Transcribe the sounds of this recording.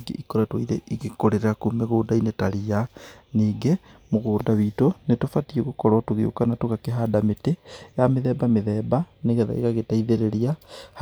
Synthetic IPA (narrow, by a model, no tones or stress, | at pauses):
ɡḛʔikoɾatwaiɾḛʔiɣekoɾeɾeɾakumeɣoːdainetaɾianiːɡemoɣoːdaβitonetofatieɣokɔɾɔtoɣeo̰kanatoɣakeɦadametejameðɛːbameðɛːbaneɣɛða̰ḭɣaɣetaiðeɾeɾiah